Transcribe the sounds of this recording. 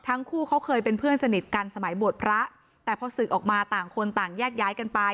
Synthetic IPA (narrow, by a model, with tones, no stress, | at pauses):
t̪ʰa˦˥ŋkʰuː˥˩kʰa˦˥wkʰɤː˧jpe˧npʰɯ˥˩ənsa˧ni˨˩t̪̚ka˧nsa˧ma˩˦jbu˨˩ət̪̚pʰɾa˦˥ʔ | t̪ɛː˨˩pʰɔ˧sɯ˨˩k̚ʔɔː˨˩k̚maː˧t̪aː˨˩ŋkʰo˧nt̪aː˨˩ŋjɛː˥˩k̚jaː˦˥jka˧npa˧j